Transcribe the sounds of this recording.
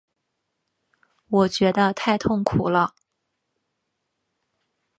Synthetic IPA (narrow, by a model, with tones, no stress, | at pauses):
wɔ˨˩t͡ɕɥɛ˧˥d̪ə˧t̪ʰa˥˧ɪt̪ʰʊ˥˩ŋkʰu˨˩lə˦